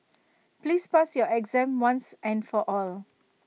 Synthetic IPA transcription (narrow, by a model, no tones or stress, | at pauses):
pliːspasjɔɛɡzɛ̃mwãnsɛ̃nfɔʔɔl